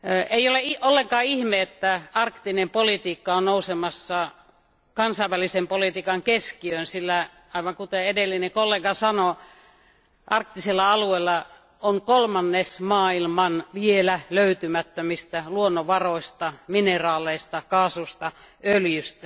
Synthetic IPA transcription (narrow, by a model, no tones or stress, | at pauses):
eioleiʔolːeŋkɑːihmeet̪ːæɑrkt̪inempolit̪iːkːɑonnousemɑsːɑ | kɑnsɑiʋælisempolit̪iːkɑŋkeskiønsilːæ | ɑiʋɑŋkut̪eedelːinekolːeːɡɑsɑno | ʔɑrkt̪isilːɑɑlueilːɑ | oŋkolmɑnːesmɑːilmɑnʋielæløyt̪ymæt̪ːømist̪æluonːoʋɑroist̪ɑminerɑːleist̪ɑkɑːsust̪ɑøljyst̪æ